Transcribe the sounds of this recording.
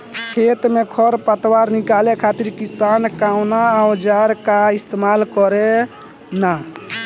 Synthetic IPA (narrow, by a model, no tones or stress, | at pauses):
kʰet̪mekʰɔɾpət̪waɾnikalekʰat̪iɾkisankawnaːwd͡ʒaɾkaist̪emalkɔɾe | na